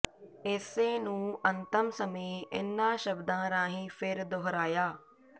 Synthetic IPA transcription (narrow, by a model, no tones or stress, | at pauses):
ɪseːnũːənt̪əmsəmeːɪ̰nːãːʃəbd̪ãːɾãːɦĩːpʰɪɾd̪ʊɦɾaːjaː